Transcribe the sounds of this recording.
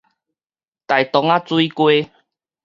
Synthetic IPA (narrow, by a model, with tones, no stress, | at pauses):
t̪a˨jt̪ɔ˨˦ŋa˦t͡swi˦kwe˦